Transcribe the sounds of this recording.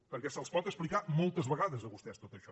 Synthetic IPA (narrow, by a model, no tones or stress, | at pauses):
pəɾkɛsəlˠspɔt̪əksplikamɔlˠt̪əzβəɣaðəzəβust̪ɛst̪ot̪əʃɔ